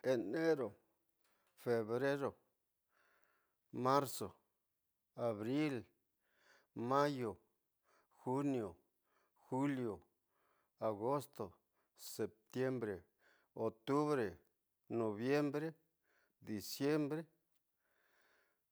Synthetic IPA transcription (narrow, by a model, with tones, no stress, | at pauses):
e˨ne˦ɾo˨ | fe˨βɾe˦ɾo˨ | ma˦ɾso˨ | a˨βɾi˦l | ma˦jo˨ | xu˦njo˨ | xu˦ljo˨ | a˨ɣo˦st̪o˨ | se˨p̚t̪je˦mbɾe˨ | o˨t̪u˦βɾe˨ | no˨βje˦mbɾe˦ | d̪i˨sje˦mbɾe˦